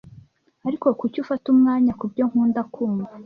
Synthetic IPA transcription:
aɾiko̞kucufatumŋaːɲakubɟo̞ŋhuːndakʰuːmɡa

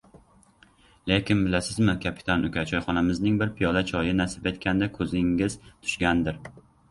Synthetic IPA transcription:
lekʲɪnbɪlasɪzmɪkʲʰapʰɪ̥t̪ʰanʊkʲʰat͡ʃʰɒjχɒnamɪznɪŋbɪɾpʰɪjɒlat͡ʃʰɒjɪnasɪpe̞t̪kʲʰand̪akʰɵzɪŋɪzt̪ʰʊ̥ʃɡʲand̪ɪɾ

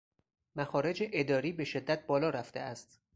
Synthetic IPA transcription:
mæxɒːɾe̞d͡ʒeʔed̪ɒːɾiːbe̞ʃed̪ːæt̪̚ʰbɒːlɒːɾæft̪e̞̰ʔæst̪

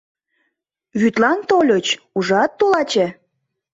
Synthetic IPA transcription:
βyt̪lɑnt̪olʲot͡ɕ | uʒɑt̪ːolɑt͡ɕe

